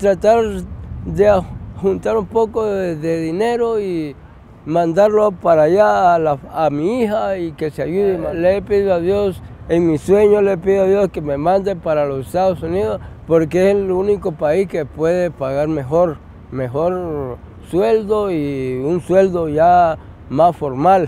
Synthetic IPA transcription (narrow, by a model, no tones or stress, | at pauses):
t̪ɾat̪aɾd̪eahunt̪aɾumpokoðeðineɾoi | mãnd̪aɾlopaɾajalaamiixaikeseajuðemalepiðoaðjoseŋmisweɲolepiðoaðjoskememãnd̪epaɾalosest̪aðosuniðospoɾkeeselunikopaiskepweðepaɣaɾmexoɾ | mexoɾ | sweld̪oiunsweld̪oja | masfoɾmal